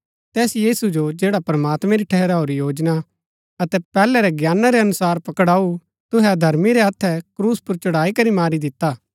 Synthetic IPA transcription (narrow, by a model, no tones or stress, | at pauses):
t̪ɛːsjiːsud͡ʒod͡ʒeːɽapɾɐmaːt̪mɛ̃ɾiʈʰɛɦɛɾaɦoːɾijoːd͡ʒna | ɐt̪ɛpɛːlɛɾɛɡjaːnaɾɛɐnʊsaːɾpɐkəɽaːu | t̪ʊɦɛd̪ʱɐɾmiɾɛɐt̪ʰːɛkɾuːspʊɾt͡ʃʊɽaːikɐɾimaːɾid̪ɪt̪ːaː